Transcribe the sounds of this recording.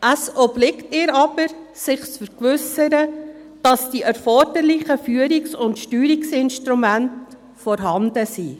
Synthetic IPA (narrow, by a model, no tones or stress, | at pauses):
ʔəsɔblɪktɪːɾɑb̥əɾ | sɪχt͡sfəɾkʋʏsəɾə | d̥ɑsd̥iʔɛɾfɔɾd̥əɾlɪχəfyːəɾiksʊntʃtyːɾiksɪnʃtɾumænt | fɔɾɦɑnd̥əsi